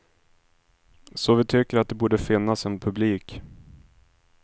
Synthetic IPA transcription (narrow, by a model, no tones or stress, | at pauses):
sɔvɪt̪ʰʏkːəɾat̪̚d̪ɛbuːɖəfɪnːasɛnpʰɵbliːk